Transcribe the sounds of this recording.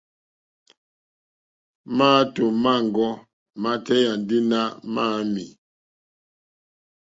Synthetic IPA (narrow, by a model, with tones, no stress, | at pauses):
ma˦to˨ma˦˨ŋ˨ɡɔ˦ | ma˦tɛ˦ja˨n˨di˦na˦ʔma˦mi˨